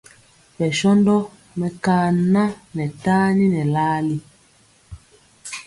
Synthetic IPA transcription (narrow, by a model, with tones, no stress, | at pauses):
pɛ˨ʃɔ˦ndɔ˦ | mɛ˨kaː˦˨na˦nɛ˨taː˦ni˦nɛ˨laː˦li˦